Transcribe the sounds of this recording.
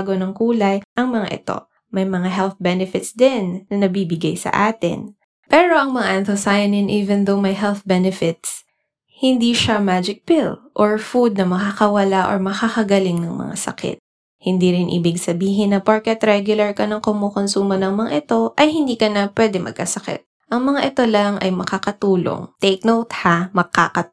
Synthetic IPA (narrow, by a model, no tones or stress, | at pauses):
ɡo̞nɐŋkuːlɐjʔɐŋmɐŋa̰ʔɪ̰t̪o̞̰ | mɐjmɐŋaɦɛlθbɛnɛfɪt̪sd̪ɪnːɐnɐbiːbɪɡajsɐ̰ʔa̰ːt̪ɪ̰n | pɛːɹo̞ʔɐŋmɐŋaʔɛ̃nθʊsajɐnɪnʔiːvɛnd̪omɐjɦɛlθbɛnɛfɪt̪s | hɪnd̪iʃamaːd͡ʒɪk̚pɪlʔoɹfud̪̚nɐmɐkaːkɐwɐlaʔo̰ɹmɐxakɐɡɐlɪŋnɐŋmɐ̰ŋa̰sɐ̰kɪ̰t̪̚ | hɪnd̪iɾɪnʔḭbɪɡsɐbiːɦɪnːɐpaɹkɛt̪ɾɛɡjʊlɐɹkɐnɐŋkomokonsuːmɐnɐŋmɐŋaʔɪt̪o̞ʔɐjhɪnd̪iːkɐnɐpwɛd̪ɛmʔɐ̰ɡ̚kɐsɐkɪ̰t̪̚ | ʔɐŋmɐŋaʔɪt̪olɐŋʔɐ̰jmɐkakɐt̪uːlo̰ŋt̪ek̚nowt̪hamɐɡ̚kakɐ